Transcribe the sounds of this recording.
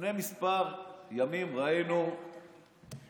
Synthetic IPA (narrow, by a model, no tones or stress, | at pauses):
nemispaʁjamimʁaenu